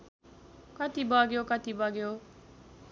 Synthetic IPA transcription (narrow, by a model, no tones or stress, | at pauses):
kʌt̪ibʌɡjokʌt̪ibʌɡjo